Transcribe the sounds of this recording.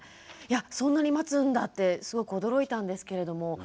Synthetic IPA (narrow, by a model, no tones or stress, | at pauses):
jasõ̞nːaɲ̟imat͡sɨ̃nd̪at̪ːe̞sɨɡo̞kɯ̟o̞d̪o̞ɾo̞it̪ãnd̪e̞sɨ̥ke̞ɾe̞d̪o̞mo̞